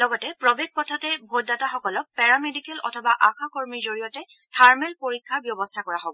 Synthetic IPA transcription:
lɔɡɔtɛpɹɔbeɡ̚pɔtʰɔtɛbʱot̚dataxɔkɔlɔk̚pɛɹamedikɛlʔɔ̰tʰɔbaʔakʰakoɹmiɹzoɹijɔtɛ | tʰaɹmɛlpoɹikʰːaɹbjɔbɔstʰakɔɹaɦobɔ

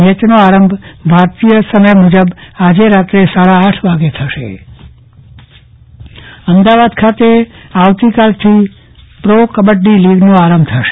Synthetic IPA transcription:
ət͡ʃnoaɾəmbʱbʱaɾt̪ijəsəməjmud͡ʒəbad͡ʒeɾat̪ɾesaɭaːʈʰʋaɡet̪ʰəʃḛ | əmd̪aʋad̪kʰat̪eaʋt̪ikalt̪ʰi | pɾokəbəɖːiliɡnoaɾəmbʱt̪ʰəʃe

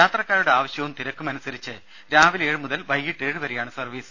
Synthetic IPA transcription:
jaːt̪rɐkːaːɾuɽe̞aːʋɐɕjɐʋumt̪iɾɐkːumɐnusɐɾit͡ɕːɨ | ɾaːʋileːɻɨmuðɐlʋɐjːiʈːe̞ːɻɨʋɐɾejaːɳɨsɐrʋiːsɨ̥

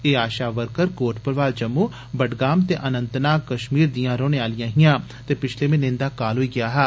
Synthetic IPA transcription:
eːaːʃaːʋəɾkəɾkoːʈpəɾʋaːld͡ʒəmːuː | bəɖɡaːmt̪eːʔənə̃nt̪naːkkəʃmiːɾd̪ijãːɾoːneːaːlɪjãːɦɪjãː | t̪eːpɪt͡ʃʰleːmẽːnɪ̃nd̪aːkaːlɦoːiːɡɪaːɦɛː

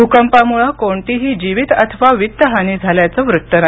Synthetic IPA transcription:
ukəmpamuɭakoɳʈiɦiːd͡ʑiʋit̪a̰t̪ʰəʋaʋit̪ːəɦanid͡zʱaljat͡səʋɾut̪ːəna

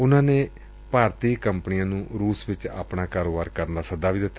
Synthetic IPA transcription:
ʊnãːneː | paːɾt̪iːkəmpənɪjãːnũːɾuːsʋɪt͡ʃa̰ːpɳaːkaːɾoːbaːɾkəɾənlaːsəd̪aːʋiːd̪ɪt̪ːa

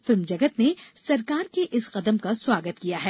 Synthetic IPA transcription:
fɪlmd͡ʒɐɡət̪nesɐɾkaːɾkeʔɪsqɐd̪əmkaswaːɡət̪kijaɦɛː

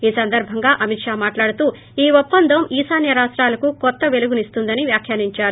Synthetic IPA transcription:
iːsɐnd̪ɐɾbʱɐŋɡaːʔɐmit̪ʂaːmaːʈlaːɽut̪uː | iːʋopːɐnd̪ʱɐmiːsaːnjɐɾaːʂʈɾaːlɐkukɔt̪ːɐʋe̞luɡunist̪und̪ɐniʋjaːkʰjaːniɲt͡ʃaːɾu

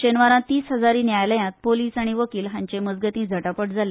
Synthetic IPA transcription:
ɕenʋaɾãt̪iːsɦəd͡zaɾiːnjajləjãt̪̚poliːsaɽ̃iʋəkiːlɦãɲt͡ɕeməd͡zɡət̪ĩːd͡zʱəʈapəʈd͡zʱale

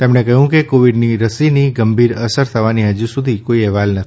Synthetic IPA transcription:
t̪emɳekəɦjũkekoʋiɖniɾəsiniɡəmbʱiɾəsəɾt̪ʰəʋaniɦəd͡ʒusud̪ʱikoiɛɦʋalnət̪ʰi

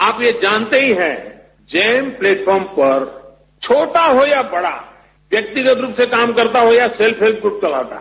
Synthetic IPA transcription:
aːpjed͡ʒaːnt̪eɦiɦɛ̃ | d͡ʒɛːmpleːʈfʰɔːɾmpɐɾ | t͡ʃʰoːʈaɦojabɐɽa̰ | ʋjɐk̚t̪ɪɡət̪ɾuːpsekaːmkɐɾt̪aɦoːjaselpʰɦelp̚ʰɡɾuːp̚t͡ʃɐla̰ːt̪a̰ɦ

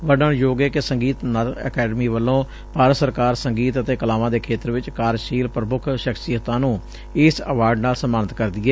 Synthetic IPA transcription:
ʋəɖənjoːɡeːkesəŋɡiːt̪nəlɛ̰ːkɛːɖəmiːʋəlːõː | paːɾsəɾkaːɾsəŋɡiːt̪ət̪eːkəlaːʋãːd̪eːkʰeːt̪ɾʋɪt͡ʃkaːɾʃiːlpɾəmʊkʰʃəksɪjət̪ãːnũː | ɪsəʋaːɾɖnaːlsəmaːnət̪kəɾd̪iːɛː

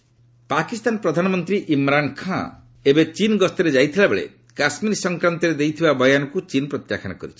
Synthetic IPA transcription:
pakist̪anpɾɔd̪ʱanɔmɔnt̪ɾiʔimɾankʰã̰ | ebet͡ʃinɡɔst̪ɔɾed͡ʒajt̪ʰilabeɭḛ | kasmiɾisɔŋkɾant̪ɔɾed̪ejt̪ʰibabɔjanɔkut͡ʃinɔpɾɔt̪jakʰɔna̰kɔɾit͡ʃʰi̥

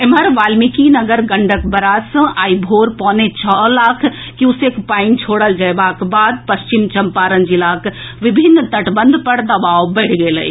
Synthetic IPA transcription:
ɪməɾʋaːlmikinɐɡəɾɡɐ̃ɳɖəkbɐɾaːsə̃ʔaːibʱoːɾpɔ̃ːnet͡ʃʰɔlaːkʰ | kiʊseːkpaːɪnt͡ʃʰoːɽəld͡ʒɐebaːkbaːd̪̚pɐst͡ʃɪmt͡ʃɐmpaːɾənd͡ʒilaːkʋɪbʱɪnːt̪ɐʈbə̃nd̪ʱpɐɾd̪ɐbaːwbɛːʈʰɡeːlə̰ḭ

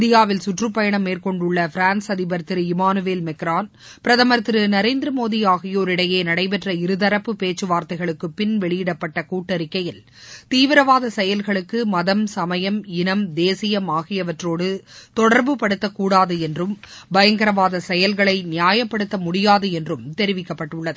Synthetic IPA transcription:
ɪd̪ɪjaːʋɪlsʊʈrɯpːɐjɐɳɐmːeːrkɔɳɖʊɭːɐfɪɾaːnsɐðɪbɐɾt̪ɪɾɯɪmaːnɯʋeːlmɛkɾaːn | pɪɾɐðɐmɐɾt̪ɪɾɯnɐɾeːnd̪ɾɐmoːðijaːɣɐjoːɾɪɽɐjeːnɐɽɐɪpɛʈrɐɪɾɯðɐɾɐpːɯpeːt͡ʃːɯʋaːɾt̪ɐɪɣɐɭɯkːɯpɪnʋɛɭɪjɪɽɐpːɐʈːɐkuːʈːɐɾɪkːɐjɪl | t̪iːʋɪɾɐʋaːðɐsɛjɐlɣɐɭɯkːɯmɐðɐmsɐmɐjɐmɪnɐmd̪eːsɪjɐmaːɣɪjɐʋɐʈroːɽɯt̪ɔɽɐɾbɯpɐɽɯt̪ːɐkːuːɽaːðɯɛndrɯmbɐjɐŋɡɐɾɐʋaːðɐsɛjɐlɣɐɭɐɪnɪjaːjɐpːɐɽɯt̪ːɐmʊɽɪjaːðɯɛndrɯmt̪ɛɾɪʋɪkːɐpːɐʈːʊɭːɐðɯ

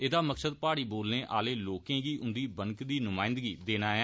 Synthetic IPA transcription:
eːd̪aːməksəd̪̚paːɽiːboːlnẽːʔa̰ːleːloːkẽːɡiːʔʊnd̪iːbənkd̪iːnʊmaːɪ̃nd̪ɡiːd̪eːnaːɛ

